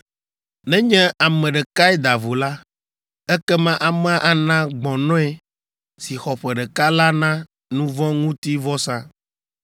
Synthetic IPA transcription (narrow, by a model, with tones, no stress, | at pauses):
nɛ̃˦ɲɛ̃˦a˨mɛ̃˨ɖɛ˨ka˦ɛ˦d̪a˨vo˨la˦ | ɛ˦kɛ˦mã˦ʔa˨mɛ̃˦a˦ʔa˨nã˦ɡ͡bɔ̃˨nɔ̃˦e˦ | si˨xɔ˨ɸɛ˨ɖɛ˨ka˦la˦nã˦ | nũ˦vɔ̃˦ŋũ˦t̪i˦vɔ˦sã˦